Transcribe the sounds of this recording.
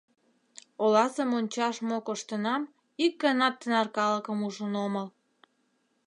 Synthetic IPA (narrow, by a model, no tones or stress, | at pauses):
olɑsəmonʲt͡ɕɑʃmokoʃt̪ənɑm | ik̚ɡɑnɑt̪ːənɑrkɑləkəmuʒənoməl